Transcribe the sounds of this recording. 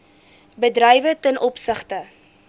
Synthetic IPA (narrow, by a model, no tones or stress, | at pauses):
bədrɛjvətənʔɔpsəχtə